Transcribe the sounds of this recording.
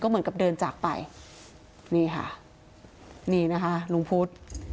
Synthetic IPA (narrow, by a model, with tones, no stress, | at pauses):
kɔː˥˩mɯ˩˦ŋka˨˩p̚dɤː˧nt͡ɕaː˨˩k̚pa̰˧j | niː˧˩kʰa̰˥˩ | niː˧˩na˦˥kʰa˦˥ʔlu˧ŋpʰu˦˥t̪̚